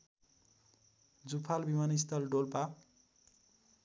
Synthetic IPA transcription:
d͡zupʰalbimanist̪ʌlɖolpa

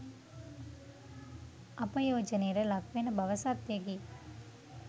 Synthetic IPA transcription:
ɐpɐjoːd͡ʒɐneɾɐlɐkʰʋeːnɐbʱɐʋɐsaːt̪jɐɡi

